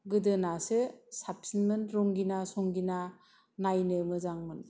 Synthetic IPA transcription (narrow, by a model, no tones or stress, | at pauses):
ɡɯdɯnasɯsap̚sinmɯnɾoŋɡinasoŋɡina | najnɯmɯzaŋmɯn